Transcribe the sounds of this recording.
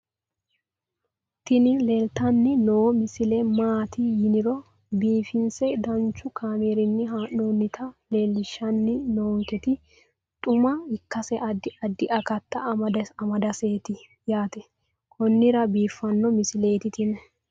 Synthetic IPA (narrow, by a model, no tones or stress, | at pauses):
t̪ɪnɪleːlt̪ɐnːɪnoːmɪsɪlɛmaːt̪ɪjɪnɪɾɔ | biːfɪnsɛd̪ɐnt͡ʃːʊkʰaːmeːɾɪnːɪɦaːʔnoːnːɪt̪ʰɐle̞ːlːɪʃːɐnːɪnoːŋkɛt̪ɪ | t̪ʼʊmɐɪkːɐsɛʔɐd̪ɪɐd̪ːɪʔɐkɐt̪ːɐːmɐd̪ɐɐmɐd̪ɐseːt̪ɪ | jaːt̪ɛ | kʰɔnːɪɾɐbiːfːɐnːɔmɪsɪleːt̪ɪt̪ɪnɛ